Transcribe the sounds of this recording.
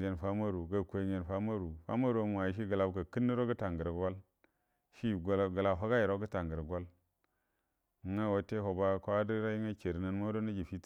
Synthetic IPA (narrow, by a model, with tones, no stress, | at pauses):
e˨nfa˦ma˦ɾu˨ɡa˨kʷe˨ɲe˨nfa˦ma˦ɾu˨fa̰˦ma˦ɾu˨a˦m˨a˨i˦ʃ̬i˦ɡə˨la˨bka˨ki˦nːi˦ɾo˦ɡə˦ta˨ŋɡə˨ɾa˨ɡʷa˦l | ʃi˦˨ɡa˨lɡə˨la˨ɦa˦ɡa˦ji˨ɾo˦ɡə˦ta˨ŋɡə˨ɾɡʷa˦l | ŋa˦˨wo˨te˦ɦo˨ba˦kʷa˦di˦ɾa˦ji˦ŋa˦ke˨ɾi˨na˦nmo˦do˦na˦d͡ʒi˨fi˦t